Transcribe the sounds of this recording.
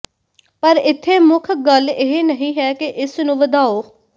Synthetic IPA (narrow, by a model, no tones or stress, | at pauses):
pəɾɪt̪ʰːeːmʊkʰɡəleɦenəɦĩːɦɛːkɪʔɪsnũːʋəd̪aːoː